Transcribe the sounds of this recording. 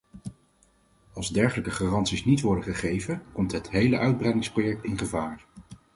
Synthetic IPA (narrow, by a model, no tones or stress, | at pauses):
ɑlˠzdɛɹχələkəχaːrɑntsisnitʋɔɹdəχəχejvənkɔmtɦətɦejləʔœɥd̚brɛjdɪŋsprojɛk̚tɪnχəvaːɹ